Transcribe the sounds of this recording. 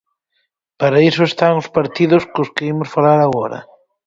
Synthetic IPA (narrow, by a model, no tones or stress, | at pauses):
paɾaisoest̪aŋʊspaɾt̪iðʊskʊskeimʊsfalaɾaɣɔɾɐ̰